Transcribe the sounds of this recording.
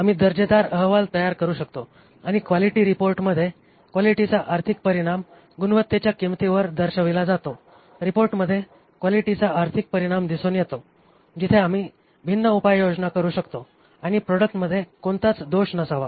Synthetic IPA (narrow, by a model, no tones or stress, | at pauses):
amiːd̪əɾd͡ʑed̪aɾəɦʋalt̪əjaɾkəɾuːɕək̚t̪o | aɽ̃ikʋaliʈiːɾipoɾʈməd̪ʱːje | kʋaliʈit͡saʔaɾt̪ʰik̚pəɾiɽ̃am | ɡunʋət̪ːet͡ɕjakimt̪iʋəɾd̪əɾɕəʋilad͡zat̪o | ɾipoɾʈməd̪ʱje | kʋaliʈit͡saaɾt̪ʰik̚pəɾiɽ̃amd̪isonjet̪o | d͡ʑit̪ʰeamiː | bʱinːəupajjod͡znakəɾuːɕəkt̪o | aɽ̃ipɾoɽək̚ʈməd̪ʱːjekoɳt̪at͡sd̪oɕnəsaʋa